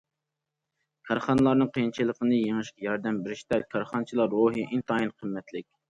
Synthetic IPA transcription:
kʲʰɑɾχɑnɨlˠɑɾnɨŋqʰəjint͡ʃʰilˠəqʰənɨjeŋɨʃqɛjɑɾd̪ɛmbɪɾɪʃt̪ɛkʲʰɑɾχɑnt͡ʃʰilˠɑɾːoɦɨʔint̪ɑːinqʰəmːɛt̪lɪk̚ʲ

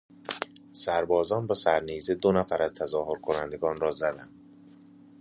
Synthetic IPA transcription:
sæɾbɒːzɒːnbɒsæɾnized̪onæfæɾæzt̪ʰæzɒːɦoɾkʰonænd̪e̞ɡɒːnrɒːzæd̪ænd̪̥

